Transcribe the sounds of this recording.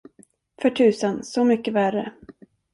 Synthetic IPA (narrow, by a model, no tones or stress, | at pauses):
fœʈʰʉ̟ːsənsɔmʏkːəvæɾə